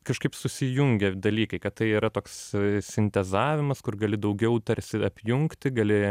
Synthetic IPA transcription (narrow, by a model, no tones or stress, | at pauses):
kɐʃkɐɪpsʊsʲɪjʊŋʲɡʲɛd̪ɐlʲiːkɐɪkɐt̪t̪ɐɪiːɾɐt̪oːkssʲɪnʲt̪ʲɛzɑːʋʲɪmɐskʊrɡɐlʲɪd̪ɐʊɡʲɛʊt̪ɐɾʲsʲɪɐpʲjʊŋktt̪ʲɪɡɐlʲɪ